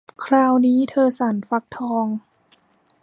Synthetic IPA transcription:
kʰɾaː˧wniː˦˥t̪ʰɤː˧sa˩˦nfa˧˦˥k̚t̪ʰɔː˧ŋ

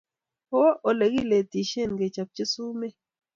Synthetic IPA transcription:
po˦ʔo˨le˨ɡi˦˨le˨ti˨ʃe˦˨nɡe˨t͡ʃa˨p̚t͡ʃi˦su˦me˦

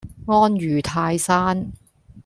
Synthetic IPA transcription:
ŋɔː˥njyː˨˩t̪ʰaː˧jsaː˥n

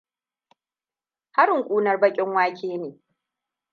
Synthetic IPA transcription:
ha˦ɾɪ˨ŋkʷʼuː˦nɐ˦rbɐ˦kʲʼɪ˦ŋwaː˦kʲʰeː˦neː˨

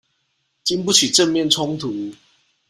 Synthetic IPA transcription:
t͡ɕi˦npu˥˨t͡ɕʰi˨˩ʈ͡ʂə˥˧nmjɛ˥˨nt͡sʰʊ˦ŋt̪ʰu˨˦

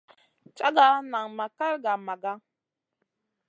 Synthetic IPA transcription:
t͡ʃa˦ɡa˦na˨ŋma˨ka˦ɾɡa˨ma˨ɡa˦

